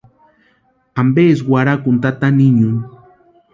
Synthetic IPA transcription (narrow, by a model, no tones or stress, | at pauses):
ambeswaɾakʊnt̪at̪aniɲun